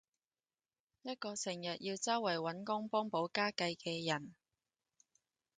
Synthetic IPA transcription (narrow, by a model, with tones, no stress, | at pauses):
jɐ˥t̚kɔː˧sʰɪ˨˩ŋjɐ˨t̚jiː˧wt͡sɐ˥wɐ˨˩jwɐ˨˥nkʊ˥ŋpɔː˥ŋpo˨˥wkaː˥kɐ˧jkɛː˧jɐ˨˩n